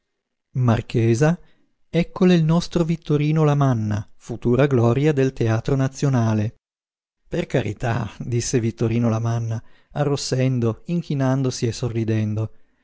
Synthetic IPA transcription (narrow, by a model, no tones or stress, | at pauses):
markʰeːza | ɛkːoleilnɔst̪ɾovit̪ːoɾiːnolamanːafut̪uːɾaɡlɔɾjad̪elt̪eaːt̪ɾonat̪sːjonaːle | perkaɾḭt̪a̰d̪isːevit̪ːoɾiːnolamanːaarːosːɛnd̪oiŋk̟ʰinand̪osiesːorːid̪ɛnd̪o